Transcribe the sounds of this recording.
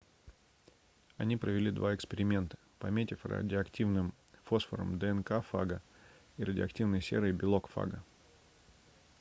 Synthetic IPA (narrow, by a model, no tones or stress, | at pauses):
ɐnʲipɾəvʲɪlʲid̪vaɪkspʲɪɾʲɪmʲe̞nt̪ə̥pɐmʲetʲɪfrɐ̰dʲɪoɐktʲivnɨm | fosfəɾə̰md̪əɛnkafa̰ɡə | iɾədʲɪɐktʲivnəjsʲeɾɨɪbʲɪlˠo̞kfa̰ɡə